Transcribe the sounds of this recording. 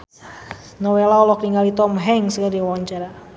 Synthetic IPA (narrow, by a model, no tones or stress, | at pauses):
nɔwelaɔlɔk̚niŋalit̪ɔmɦɛŋsɡadiwaɲt͡ʃaɾa